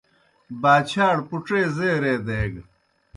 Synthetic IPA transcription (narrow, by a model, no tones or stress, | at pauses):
baːt͡ɕʰaːɽpuʈ͡ʂeːzeːɾeːd̪eːɡ